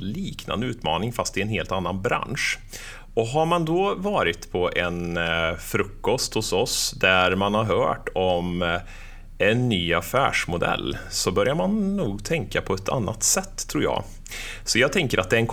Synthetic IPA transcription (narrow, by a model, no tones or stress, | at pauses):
liːkna̰nd̪əʉːt̪mɑ̰ːnɪŋfast̪ɪɛnɦeːlt̪anːanbɾa̰nʂ | ɔɦaɾmand̪ɔvɑːɾɪt̪pʰɔʔɛnfɾɵkːɔst̪hʊsɔsd̪æɾmanhaɾɦœ̰ːʈɔm | ɛnːyːafæ̰ːʂmʊd̪ɛ̰lːsɔbœɾjaɾmanːuːɡt̪ʰɛŋkapʰɔɛt̪ʰa̰nːa̰t̪sɛt̪ʰːɾuːɾjɑ̰ː | sɔjɑːɡt̪ʰɛŋkəɾʔat̪̚d̪ɛɛnkʰ